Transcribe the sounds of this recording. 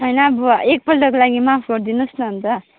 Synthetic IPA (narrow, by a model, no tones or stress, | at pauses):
ɦʌjnʌːbʌek̚pʌlʈʌkolaɡimapʰɡʌɾd̪inusnʌnt̪ʌ